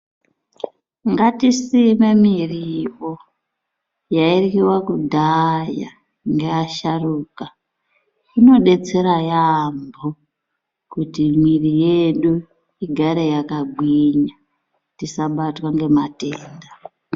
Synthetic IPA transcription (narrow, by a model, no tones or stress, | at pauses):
ŋɡatisime̞miriwo | jairkiwakudʱaja̰ | ŋɡeaʃaruːka | ino̞ɗe̞t͡se̞ɾajambo | kutimwirije̞ɗu | iɡʱaɾe̞jakaɡ͡bwiɲa | tisaɓatwaŋɡe̞mateːnda